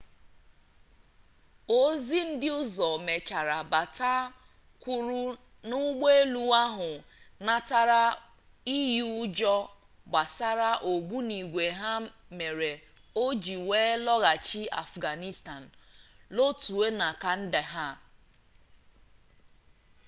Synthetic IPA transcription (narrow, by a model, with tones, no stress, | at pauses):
o˦zi˦n̩˦dɪ˦ʊ˦zɔ˨me˨t͡ʃa˨ɾa˨ba˨ta˦ | kʷu˦ɾu˦ | nʊ˦ɡ͡be˦e˦lu˦a˦ɦʊ˨na˨ta˦ɾa˦ | i˦ju˦d͡ʒɔ˦ | ɡ͡ba˨sa˦ɾa˦ʔo˨ɡ͡bu˦ni˨ɡʷe˨ɦa˦me˨ɾe˨ | o˦d͡ʒi˨weː˦lɔ˦ɣa˨t͡ʃi˦a̰˨fɡa˨ni˦sta˨n̩˨lo˦tu˨e˦na˨ka˨n̩˦de˨ɦa˦